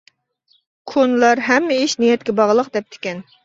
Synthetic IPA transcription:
kʰonlˠɑɾɦɛmːɪiʃnijɛt̪̚kʲɛbɑʁlˠəqd̪ɛp̚t̪ʰɪ̥kʲɛn

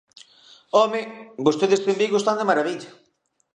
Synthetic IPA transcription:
ɔmɪbost̪eðɪst̪embiɣost̪and̪emaɾaβiʎɐ

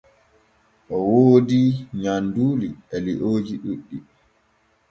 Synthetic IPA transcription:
ʔɔwoːdiɲanduːliɛliʔoːd͡ʒiɗuɗːi

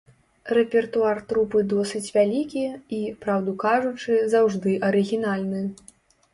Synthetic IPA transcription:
rɛpʲɛrt̪uart̪ɾupɨd̪ɔsɨt͡sʲvʲalʲikʲiipɾawd̪ukaʐut͡ʂɨzawʐd̪ɨʔɐɾɨɣʲinalʲnɨ

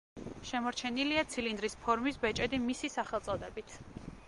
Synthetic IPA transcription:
ʃɛmɔɾt͡ʃʰɛniliat̪sʰilind̪ɾispʰɔɾmisbɛt͡ʃʼɛd̪imisisaχɛlˠt̪sʼɔd̪ɛbit̪ʰ

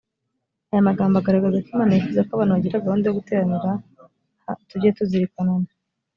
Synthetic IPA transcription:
ajamaɡaːmbaɡaɾaɡazakimaːnaefuzekwaβaːnuβaɟiɾaɡaɾuːndeoɡuteɾaniɾa | tuɟetuziɾikanana

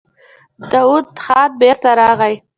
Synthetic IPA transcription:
d̪̥ɑwud̪χɑt̪̚beɾt̪aɾɑɣaj

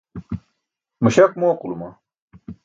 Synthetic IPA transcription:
mɐɕɐk̚moːqulumɐ

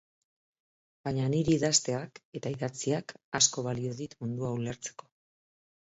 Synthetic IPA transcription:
bajɲaniɾiːðast̪e̞ake̞t̪aiðat͡siakasko̞β̞alio̞ðit̪mund̪uauleɾt͡se̞̥ko̞

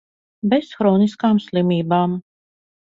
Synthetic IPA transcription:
bɛsxɾɔːniskaːmslˠimʲiːbaːm

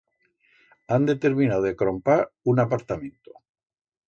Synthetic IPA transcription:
and̪et̪eɾmĩnawekɾompaɾunapaɾt̪amẽnt̪o

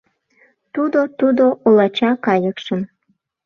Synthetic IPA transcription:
t̪ud̪ot̪ud̪oʔolɑt͡ɕɑkɑjəkʃə̆m

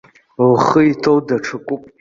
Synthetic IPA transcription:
lχəitʰowdaʈ͡ʂʰɨkʷʼʊpʼ

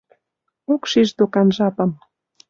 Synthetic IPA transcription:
okʃiʒd̪okɑnʒɑpɤ̆m

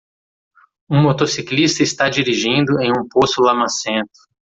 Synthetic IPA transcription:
ũmot̪osiklist̪ɐɪst̪ad͡ʒiɾiʒĩnd̪ʊẽj̃ũposʊlamãsẽnt̪ʊ̥

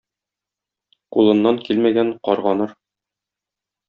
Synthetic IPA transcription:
qulˠɤ̆nːɑŋkilmæɡæɴqɒɾʁɑnɤɾ

